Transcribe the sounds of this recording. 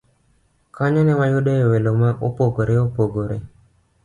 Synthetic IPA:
kʰaɲanɛwajodɔewelomaʔopoɡoɾeopoɡoɾe

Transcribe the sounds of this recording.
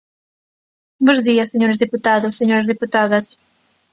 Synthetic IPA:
bõzðiɐsːeɲoɾezðiput̪aðosːeɲoɾɐzðiput̪aðɐs

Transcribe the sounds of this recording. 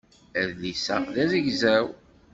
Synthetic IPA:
əðlisæ̰ðæðəʝzæw

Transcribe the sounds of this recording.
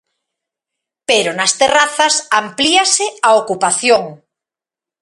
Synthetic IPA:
peɾonast̪eraθasampliasɪaokupaθjoŋ

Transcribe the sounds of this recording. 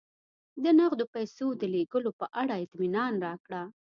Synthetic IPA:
d̪ənaɣd̪opajsod̪əleɡəlopəʔaɽaɪt̪minɑnɾɑkɽa

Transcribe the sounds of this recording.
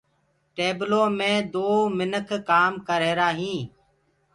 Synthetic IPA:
ʈeːbloːmẽːd̪oːmɪnəkʰkaːmkəɾeːɾaːɦĩː

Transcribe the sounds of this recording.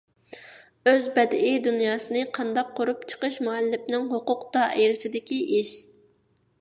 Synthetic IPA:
øzbɛd̪id̪unjɑːsɨnɨqʰɑnd̪ɑqʰːoɾupt͡ʃʰə̥qʰəʃmuɛlːɪpnɪŋɦoqʊqd̪̥ɑʔiɾɪsɪd̪ɪkʲiʔiʃ

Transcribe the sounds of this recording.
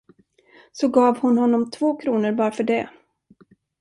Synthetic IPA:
sɔɡɑːvhʊnhɔnːɔmt̪ʰvoːkʰɾuːnəɾbɑːɾafœɖɛ

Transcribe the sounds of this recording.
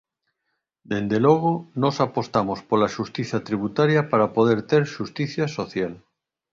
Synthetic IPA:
d̪e̞nd̪eloɣ̞onosapost̪amospolaʃust̪iθat̪ɾiβ̞ut̪aɾjapaɾapoð̞eɾt̪eɾʃust̪iθjasoθjal

